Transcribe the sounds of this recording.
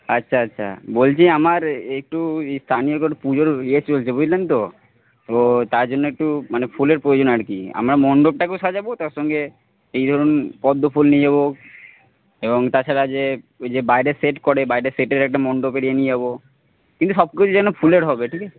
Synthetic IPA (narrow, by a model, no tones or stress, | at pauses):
atːɕʰaatːɕʰa̰bolt͡ɕʰiamaɾek̚ʈust̪ʰanijokopud͡ʑoɾiet͡ɕolt͡ɕʰebod͡ʑlent̪o | t̪ot̪aɾd͡ʑonːoek̚ʈumanefʰuleɾpɾojod͡ʑonaɾkḭa̰mɾamɔɳɖob̚ʈakeoʃad͡ʑabot̪aɾʃɔŋɡe | ejd̪ʱɔɾonpɔd̪ʱːopʰulnied͡ʑaβo | eboŋt̪at͡ɕʰaɾad͡ʑed͡ʑebajɾeseʈkɔɾebajɾeseʈeɾɛk̚ʈamɔɳɖopeɽijenied͡ʑaβo | kint̪uʃɔb̚kit͡ɕʰud͡ʑʰanofʰuleɾɦɔbeʈʰike